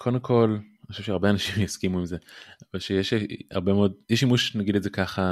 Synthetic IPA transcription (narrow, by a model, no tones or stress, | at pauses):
kʰodemkʰo̞lnχoʃuvʃeaʁbeanaʃimjaskimuimzeavalʃejeʃa̰ʁbemeodjɛʃimuʃnaɡidetzekaχa